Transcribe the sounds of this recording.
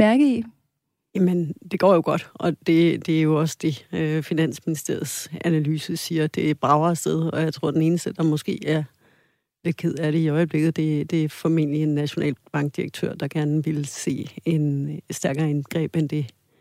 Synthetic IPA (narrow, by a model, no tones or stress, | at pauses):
mæɐɡ̥əi | jæmənd̥e̝ɡ̥ɒ̰ːjo̝ɡ̥ɒ̽d̥ɒ̽d̥e̝d̥e̝æɐjo̝ɒ̽sd̥e̝øfinæn̰sminisd̥e̝ɐ̰ð̩ˠsænælyːsəsiːɐd̥e̝b̥ʁɑ̈ʊɐːsd̥eð̞ˠɒ̽jɑ̈ɪt͡sʰʁo̝ɐ̰d̥ene̝ːnəsd̥əd̥ɑ̈mɔ̽sɡ̥e̝̰ːæɐ | le̝d̥̚kʰe̝ð̰ˠæɐɾe̝iɒ̽ɪəb̥le̝ɡ̥ð̩ˠd̥e̝d̥e̝fɒ̽me̝n̰lienːæɕo̝nɛ̰ːlb̥ɑ̈ŋɡ̥̚d̥iʁɐɡ̥̚t͡sʰø̰ɐ̰d̥ɑ̈ɡ̥æɐnəʋe̝lse̝̰ːe̝nsd̥æɐɡ̥ɐːenɡ̥ʁɛ̰ːb̥end̥e̝